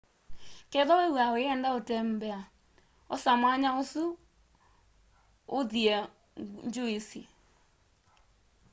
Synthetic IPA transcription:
kɛðɔwewaeɛndaotɛmbɛa | ɔsamaɲaosu | oðiɛ | ɲd͡ʒoisi

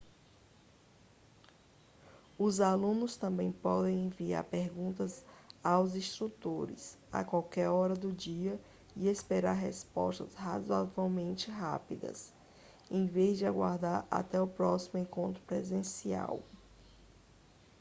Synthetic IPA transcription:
ʊzalũnʊst̪ɐ̃mbẽj̃pɔd̪ẽj̃ẽvia̰ɾpeɾɡũnt̪ɐzawzĩst̪ɾut̪oɾɪ̰s | a̰kwawkɛɾɔɾɐd̪ʊd͡ʒiɐ | iespeɾaɾɦespɔ̰ʃt̪ɐshazwavawmẽnt͡ʃɪɦa̰pid̪ɐ̰s | ẽj̃vezd͡ʒɪaɡwa̰ɾd̪aɾa̰t̪ɛʊpɾɔsimʊẽkõnt̪ɾʊpɾezẽsia̰w

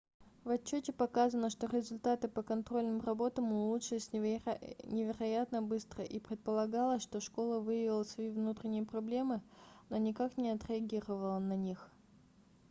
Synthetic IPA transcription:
vɐt͡ɕːotʲɪpɐkazənəʂt̪o̞ɾʲɪzʊlʲt̪at̪ɨpəkɐnt̪ɾo̞lʲnɨmrɐbo̞t̪əmʊlˠutʂɨsʲ | nʲɪvʲɪɾɐjat̪nəbɨst̪ɾəʔipɾʲɪt̪̚pəlˠɐɡalˠəsʲʂt̪o̞ʂko̞lˠəvɨjɪvʲɪlˠəsvɐivnut̪ɾʲɪnʲɪjəpɾɐblʲe̞mɨno̞nʲɪkaknʲɪɐt̪ɾʲɪɐɡʲiɾəvəlˠənɐnʲix

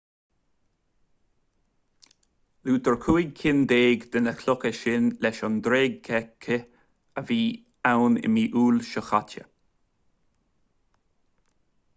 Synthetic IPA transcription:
luːt̪əɹkʰuːɪɡ̚kʰɪnd̪eːɡd̪̥ənəkʰlʊkəʃɪnlɛʃɔnd̪ɾeːɡ̚kʰɛkʰːə | əviː | awnɪ̰miːʔuːlʃəxatə̰

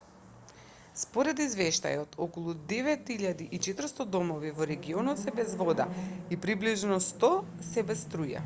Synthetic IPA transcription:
spɔɾɛd̪izvɛʃt̪a̰jɔt̪ʰɔkɔlˠud̪ɛvɛt̪iʎad̪iʔit͡ʃɛt̪ɾ̩st̪ɔd̪ɔmɔvivɔɾɛɡiɔnɔt̪sɛbɛzvɔd̪a̰ipɾibliʒnɔst̪ɔsɛbɛst̪ɾuja̰

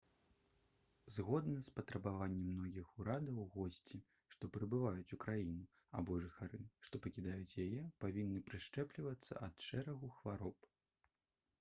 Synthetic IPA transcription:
zɣɔd̪nɐspɐt̪ɾɐbavanʲːɛmnɔɣʲixuɾad̪ɐwɣɔsʲt͡sʲi | ʂt̪ɔpɾɨbɨvajut͡sʲukɾajinu | a̰bɔʐɨxaɾɨʂt̪ɔpɐkʲid̪ajut͡sʲjajɛpavʲinːɨpɾɨʂt͡ʂɛplʲivɐt̪sːɐ̰ʔɐt̪ʂɛɾɐɣuxvaɾɔp

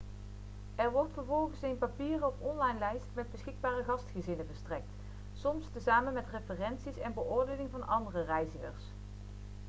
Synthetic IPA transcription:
ɛɹʋɔɹtfəɹvɔlˠɣənsejnpapiːrɔpɔnlɑjnlɛjstmɛd̚bəsxɪɡ̚baːrəɣɑstχəzɪnəvəɹstrɛk̚t | sɔmstəzaːmənmɛtrefərɛnsisɛnbəʔʊːɹdeːnɪŋvɑnɑndərərɛjzəxəɹs

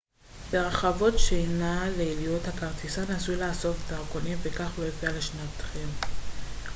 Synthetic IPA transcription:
beʁaχavo̞tʃejnaleilijuthakaʁtisanasujulaːso̞ftaʁkonimvekaχlojofialeʃnat̪χem

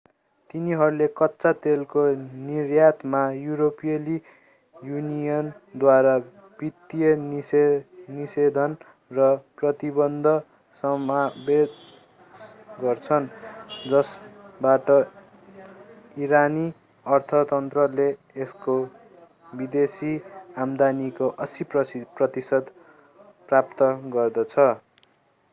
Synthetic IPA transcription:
t̪iniɦʌɾulekʌtːsat̪elkonirjat̪majuɾopijʌli | junijʌnd̪waɾa | b̥it̪ːijʌn | nised̪ʱʌn | rʌprʌt̪ibʌnd̪ʱʌ | sʌmabe | s | ɡʌrt͡sʰʌnd͡zʌsbaʈʌ | iɾani | ʌrt̪ʰʌt̪ʌnt̪rʌleː | sko | bid̪esiamd̪anikoʔʌsiprʌprʌt̪isʌd̪ | prap̚t̪ʌɡʌrd̪ʌt͡sʰʌ

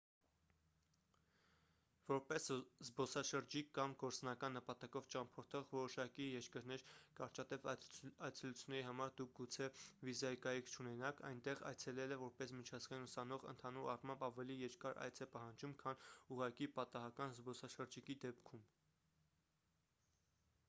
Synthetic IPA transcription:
vɔɾpɛszbɔsɑʃəɾd͡ʒikːɑmɡɔɾt͡snɑkɑnːəpɑt̪ɑkɔvt͡ʃɑmpʰɔɾt̪ʰɔʁvɔɾɔʃɑkijɛɾkəɾnɛɾkɑɾt͡ʃɑt̪ɛvɑjt͡sʰɛlut͡sʰjunːɛɾiɦɑmɑɾd̪uk̚ʰɡut͡sʰɛvizɑikɑjikʰt͡ʃʰunɛnɑkʰɑ̰jnt̪ɛʁɑ̰jt͡sʰɛlɛlɛvɔɾpɛsmit͡ʃʰɑzɡɑjinusɑnɔʁə̰nt̪ʰɑnuɾɑrmɑmbɑvɛlijɛɾkɑɾɑ̰jt͡sʰɛpɑɦɑnd͡ʒumkʰɑnuʁɑkipɑt̪ɑɦɑkɑnzbɔsɑʃəɾd͡ʒikid̪ɛpkʰum

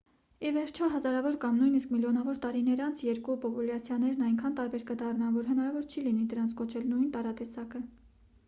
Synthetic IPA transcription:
ivɛɾt͡ʃʰɔɦɑzɑɾɑvɔɾkɑmnujniskmiljɔnɑvɔɾt̪ɑɾinəɾɑnt͡sʰjɛɾkupɔpuljɑt͡sʰjɑnɛɾnɑjŋkʰɑnt̪ɑɾbɛɾkəd̪ɑrnɑnvɔɾɦənɑɾɑvɔɾt͡ʃʰilinid̪əɾɑnt͡sʰkɔt͡ʃʰɛlnujnt̪ɑɾɑt̪ɛsɑkə

